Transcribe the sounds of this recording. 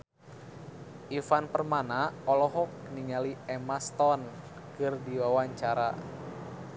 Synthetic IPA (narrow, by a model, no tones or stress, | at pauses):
ʔifanpərmanaɔlɔɦɔkniŋaliɛmast̪ɔn | kɨrdiwawaɲt͡ʃaɾa̰